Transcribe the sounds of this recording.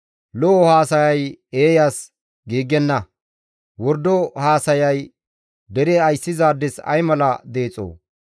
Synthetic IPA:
lɔʔɔhaːsɐjɐjeːjaːs | ɡiːɡɛnːɐ | wɔɾd̪ɔhaːsɐjɐj | d̪ɛɾɛɐjsːɪzaːd̪ːɪsɐ̰jmɐlɐd̪e̞ːt͡sʼo̰ː

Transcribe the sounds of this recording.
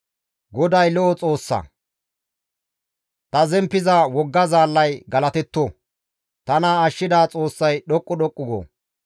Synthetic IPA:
ɡɔd̪ɐjlɔʔɔt͡sʼo̞ːsːɐ̰ | t̪ɐzɛmpːɪzawɔɡːɐzaːlːɐjɡɐlɐt̪ɛt̪ːoː | t̪ɐnaːʃːɪd̪aːt͡sʼo̞ːsːɐjɗɔkʼːɔɗɔkʼːʊɡo̰ː

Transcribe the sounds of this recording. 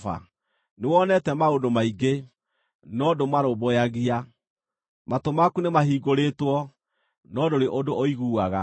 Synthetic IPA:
fa̰ | newɔnɛtɛmaodomaiɡe | nɔdomaɾobojaɣia | matomakunemaɦiːɡoɾetwɔ | nɔdoɾeʔodoʔoiɣuːaɣa

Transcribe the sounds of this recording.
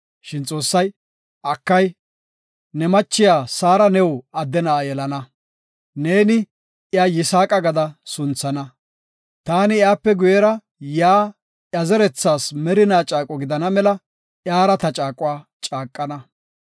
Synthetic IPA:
ʃɪnt͡sʼo̞ːsːɐj | ʔɐkːɐj | nɛmɐt͡ʃːɪjaːsaːɾɐnɛwɐd̪ːɛnaːjɛlɐnɐ | ne̞ːnɪ | jaːjɪsaːkʼɐɡɐd̪ɐsʊnt͡sːɐnɐ | t̪aːnɪjaːpːɛɡʊjɛɾɐ | jaː | ɐzɛɾɛt͡sːaːsmɛɾɪnaːt͡ʃʼaːkʼɔɡɪd̪ɐnɐmɛlɐ | ʔjaːɾɐt̪ɐt͡ʃʼaːkʼʊwaː | t͡ʃʼaːkʼːɐnɐ

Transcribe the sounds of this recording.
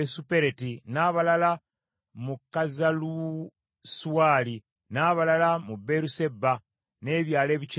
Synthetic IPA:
esupe̞ɾetinaːβalala | mukːazalu | suwaːli | naːβalalamubːe̞ɾusebːa | ne̞ːβjaːle̞ːβit͡ʃ

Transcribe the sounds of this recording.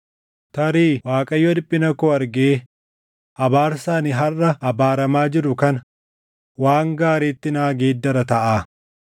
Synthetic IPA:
t̪ɐɾiːwaːkʼɐjːod̪ɪpʼːɪnɐkoːɐɾɡeː | ʔɐbaːɾsaːniɦɐrːɐɐbaːɾɐmaːd͡ʒɪɾʊkɐnɐ | waːŋɡaːɾeːt̪ːɪnaːɡe̞ːd̪ːɐɾɐt̪ɐʔaː

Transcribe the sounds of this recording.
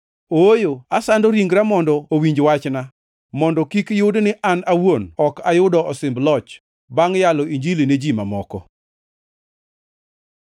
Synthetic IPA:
oojoasandɔɾiŋɡɾamɔndɔowiɲd͡ʒwat͡ʃna | mɔndɔkikjʊdnɪʔanawonɔkajʊdɔʔɔsɪmblɔt͡ʃ | baŋjalɔiɲd͡ʒilined͡ʒima̰mɔkɔ̰

